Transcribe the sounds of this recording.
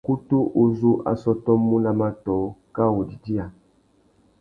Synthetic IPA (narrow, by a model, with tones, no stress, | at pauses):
ku˦tu˦ʔo˨zu˦ʔa̰˨sɔ˦tɔ˦mːũ˦na˨ma˦tɔ˨˦ka˦wo˨di˨di˦a˨